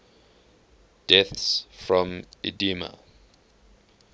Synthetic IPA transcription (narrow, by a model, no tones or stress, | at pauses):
d̥ɛθsfɹɔ̃midimə̰